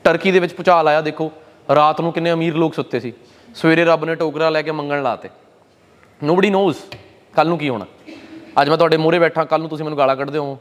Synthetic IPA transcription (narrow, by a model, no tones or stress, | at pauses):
ʈəɾkiːd̪eːʋɪt͡ʃpʊt͡ʃaːlaːjaːd̪eːkʰoː | ɾaːt̪nũːkɪnẽːəmiːɾloːksʊt̪ʰːeːsiː | sʋeːɾeːɾəbnẽːʈoːkɾaːlɛːkeːməŋɡəlla̰ːt̪ḛː | nõːbəɽiːnoːz | kəlnũːkiːɦo̰ːɽ̃a̰ːəd͡ʒmɛ̃ːt̪ʊɦaːɖeːmoːɾeːbɛːʈʰːãːkəlːnũt̪ʊs̬iːmɛːnːuːɡaːlaːkəɽd̪eːɦõ